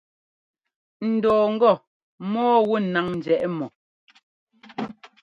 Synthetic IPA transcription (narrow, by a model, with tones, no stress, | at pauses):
n̩˨dɔː˨ŋ̩˦ɡɔ˦˨ | mɔː˦wu˦˨na˨ŋn̩˨d͡ʒɛ˨ʔɛ˦mɔ˨